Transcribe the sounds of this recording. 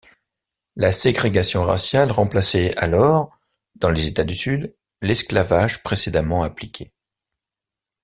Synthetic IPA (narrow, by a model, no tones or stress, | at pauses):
laseɡʁeɡasjɔ̃ʁa̰sjalʁɑ̃plasɛalɔʁ | d̪ɑ̃lezet̪ad̪ysyd̪ | lɛsklavaʒpχesed̪amɑ̃aplikʲʰe